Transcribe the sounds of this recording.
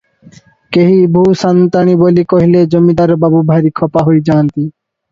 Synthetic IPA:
keɦibʱuːsant̪aɽ̃ibolikoɦiled͡ʑomid̪aɾbabubʱaɾikʰɔpaɦojd͡ʑaːnt̪i

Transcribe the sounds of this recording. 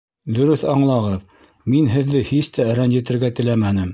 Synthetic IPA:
d̪ɵ̆ɾɵθɑɴlˠɑʁɤð | minɦɘ̆ðːɘhist̪æɾænjɘ̆t̪ɘ̆ɾɡæt̪ɘ̆læmænɘm

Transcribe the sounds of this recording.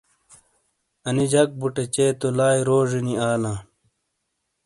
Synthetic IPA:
ɐnid͡ʑɐk̚buʈet͡ɕeːt̪olaːjɾoːʐiniaːlãː

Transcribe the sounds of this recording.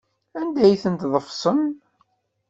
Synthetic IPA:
ænd̪æjθənt̪ðˤəfsˤən

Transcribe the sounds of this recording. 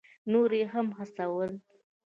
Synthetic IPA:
noɾeɦamɦasawəl

